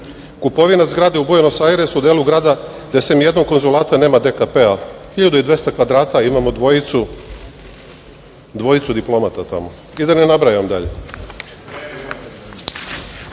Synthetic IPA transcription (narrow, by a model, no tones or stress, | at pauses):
kupo̞ʋinazɡɾaːd̪eubujanosaɾesud̪eːluɡɾaːd̪a | d̪esemje̞d̪no̞mko̞nzulˠaːt̪aneːmad̪ekapeaxiʎad̪uid̪ʋʲje̞st̪akʋad̪ɾaːt̪aimamo̞d̪ʋoit̪su | d̪ʋo̞it̪sud̪iplˠo̞mat̪at̪a̰mo | id̪anenabɾajamd̪a̰ʎḛ